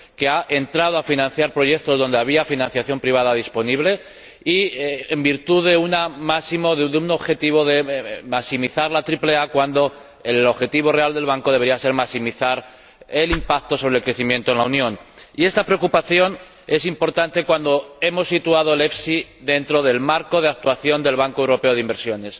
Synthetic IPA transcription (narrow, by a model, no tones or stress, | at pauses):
ke̞aʔe̞nt̪ɾaðo̞afinãn̟θjaɾpɾo̞ʝe̞k̚t̪o̞zð̞o̞nd̪e̞aβ̞iafinãnθjaθjo̞mpɾiβ̞að̞að̞ispo̞niβle̞ | iembiɾt̪uðe̞unamasimoððuno̞βxe̞t̪iβ̞o̞ðe̞masimiθaɾlat̪ɾiple̞akwand̪o̞ | elo̞βxe̞t̪iβ̞o̞reald̪e̞lβ̞aŋko̞ð̞eeɾiase̞ɾmasimiθaɾ | e̞limpak̚t̪o̞so̞β̞ɾelkɾe̞θimje̞nt̪oenlaunjõ̞nie̞st̪apɾe̞okupaθjo̞n | e̞simpo̞ɾt̪ant̪e̞kwand̪o̞e̞mo̞sːit̪uað̞o̞le̞fsiðe̞nt̪ɾo̞ðe̞lmaɾko̞ð̞e̞ak̚t̪waθjo̞nd̪e̞lβaŋkoe̞wɾo̞pe̞o̞ð̞eimbeɾsjo̞ne̞s